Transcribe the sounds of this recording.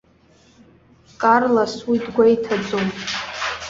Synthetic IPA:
kʼarlaswidɡʷaitʰad͡zʼom

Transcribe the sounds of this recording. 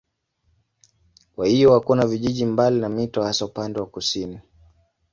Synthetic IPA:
kwahijɔwakuanaviʄiʄimbalinamitɔhasaupandɛwakusini

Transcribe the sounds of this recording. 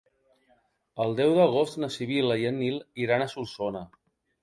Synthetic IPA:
əlˠd̪ɛwðəɣ̞ost̪nəsiβ̞iləiənilˠiɾanəsulˠsonə

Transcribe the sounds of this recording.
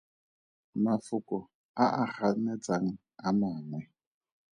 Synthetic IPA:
mafokɔ | aʔahanɛt͡saŋ | amaŋwɛ

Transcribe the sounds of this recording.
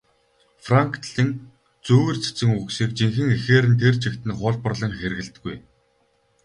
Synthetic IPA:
fraŋkʰt̪ɮĭn | t͡suːɣɘ̆rt͡sʰe̥t͡sɘ̆ŋuksiːkt͡ɕiŋxɘ̆ŋexeːɾɘ̆nt̪ʰert͡ɕʰikt̪ɘ̆nχʊːɮpə̆rɮə̆ŋxeɾ̆ɣɘ̆ɮt̪̆ɡuj

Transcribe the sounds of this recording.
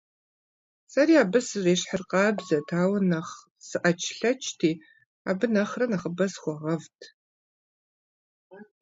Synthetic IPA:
sɐɾiːaːbɨsɨreːɕħərqɑːbzɐtʰaːwɐnɐχ | sɨʔɐt͡ʃʰɬɐt͡ʃʰtʰiː | aːbɨnɐχrɐnɐχəbɐsχʷɔʁɐvtʰ

